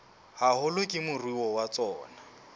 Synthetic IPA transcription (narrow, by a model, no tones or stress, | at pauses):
hahʊlʊkʼɪmʊrwiwɔwat͡sʼɔːna